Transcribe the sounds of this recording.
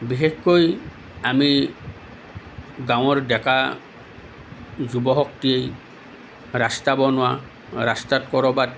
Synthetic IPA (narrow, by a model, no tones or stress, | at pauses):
bixekkoj | ami | ɡãw̃ɔɹdɛka | zubɔɦɔk̚tiej | ɾastabɔnʊa | ɾastatkɔɹɔbat